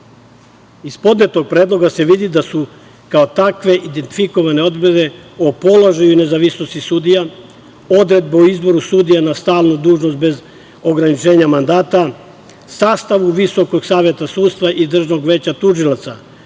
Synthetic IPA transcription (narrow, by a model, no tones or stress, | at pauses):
ispo̞d̪net̪o̞ɡ̚pɾed̪lˠo̞ɡase̞ʋid̪id̪asu | kaot̪akʋe̞ʔid̪ent̪i̥fiko̞ʋane̞o̞d̪bed̪e̞opo̞loʒajune̞zaʋisnost̪isud̪ija | o̞d̪ɾe̞d̪̚beuizbo̞ɾusud̪ijanast̪aːlnud̪uːʒnost̪be̞z | o̞ɡɾanit͡ʃe̞ːɲamand̪aːt̪a | saːst̪aʋuʋiso̞ko̞ɡsaːʋje̞t̪asuːd̪st̪ʋaʔid̪r̩ʒno̞ɡʋe̞ːt͡ɕat̪uʒilˠat̪sa